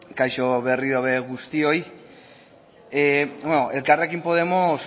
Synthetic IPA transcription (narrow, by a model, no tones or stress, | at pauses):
kajʃoβeriðoβeɣust̪ioj | ebwenoʔelkareakimpoðemos